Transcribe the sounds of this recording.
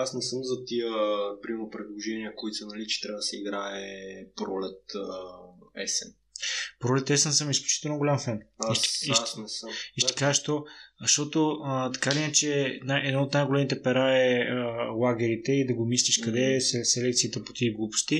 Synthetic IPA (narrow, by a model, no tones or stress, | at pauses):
asnɛsəmzɐt̪ijəpɾimopɾɛd̪lˠoʒɛniəkoit̪sɛnɐlit͡ʃɛ̥t̪ɾabəd̪ɐsɛiɡɾaɛpɾɔlɛt̪ | ɛsɛn | pɾɔlɛt̪ɛsɛnsəmisklʲut͡ʃi̥t̪ɛlnoɡolʲamfɛniʃiʃtnɛsəmiʃt̪ɐ̥kaʃt̪ozəʃt̪ɔt̪oət̪ɐ̥kalinat͡ʃɛnajɛd̪noot̪najɡolɛmit̪ɛpɛɾaɛəlˠaɡɛɾit̪ɛid̪ɐɡomislʲiʃkɐd̪ɛsɛsɛlɛkt̪siːt̪ɛpo̥t̪iiɡlˠupʊ̥st̪i